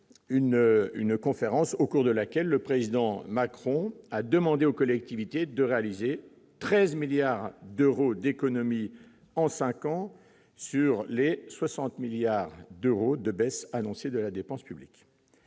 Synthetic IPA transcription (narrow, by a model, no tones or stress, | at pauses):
yny̰nkɔ̃feʁɑ̃sokuʁd̪əlakʲɛlːəpχezid̪ɑ̃makχɔ̃ad̪əmɑ̃d̪eokɔlɛk̚t̪ivit̪ed̪əʁealize | t̪χɛzmiljaʁd̪øʁod̪ekɔnɔmi | ɑ̃sɛ̃kɑ̃ | syʁleswasɑ̃t̪miljaʁd̪øʁod̪əbɛsanɔ̃sed̪əlad̪epɑ̃spyblik